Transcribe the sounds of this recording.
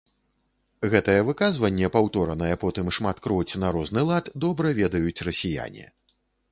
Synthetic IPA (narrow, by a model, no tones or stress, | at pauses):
ɣɛt̪ɐjɛvɨkazvɐnʲːɛpawt̪ɔɾɐnɐjɛpɔt̪ɨmʂmat̪kɾɔt͡sʲnaɾɔznɨlˠat̪d̪ɔbɾɐvʲɛd̪ɐjut͡sʲrɐsʲija̰nʲḭ